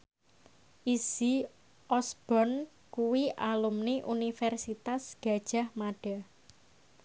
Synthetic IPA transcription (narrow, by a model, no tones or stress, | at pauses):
ʔisi | ʔɔsb̥ɔn | kuwiʔalumniʔunifɛrsit̪asɡ̥a̤̥ʒ̥a̤hmaɖ̥a